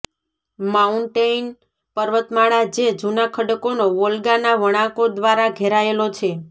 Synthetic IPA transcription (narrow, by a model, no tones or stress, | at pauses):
mauɳʈejn | pəɾʋət̪maɭad͡ʒed͡ʒunakʰəɖəkonoʋolɡanaʋəɽ̃ãkod̪ʋaɾaɡʱeɾaelot͡ʃʰe